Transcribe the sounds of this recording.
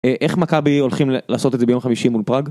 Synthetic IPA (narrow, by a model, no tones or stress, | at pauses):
eʔeχmakabio̞lχimlaːsot̪ezebeo̞mχamiʃimulpʁaɡ